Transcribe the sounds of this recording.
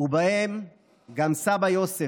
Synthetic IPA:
ubahem | ɡamsabajo̞se

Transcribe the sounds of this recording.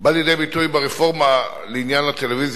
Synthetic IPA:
baljedejbit̪ujbeʁefo̞ʁma | leinjanlat̪eleviz

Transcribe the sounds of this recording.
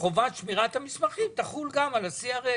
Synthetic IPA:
χo̞vat̪ʃmiʁat̪hamismaχimt̪aχulɡamalasiaʁe

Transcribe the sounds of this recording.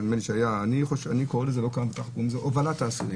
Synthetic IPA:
nmeniʃeajaːniχoʃanikoʁelezelo̞kaʁambetaχkumzeʔovalataːsiʁi

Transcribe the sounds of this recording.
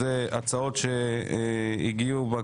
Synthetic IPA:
eat͡sao̞t̪ʃe | iɡiuba

